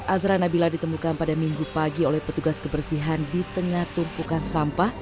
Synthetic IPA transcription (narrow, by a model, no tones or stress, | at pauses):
azɾanabiladit̪əmukanpadamiŋɡupaɡiolɛhpət̪uɡaskəbərsiɦandit̪əŋaht̪umpukansampah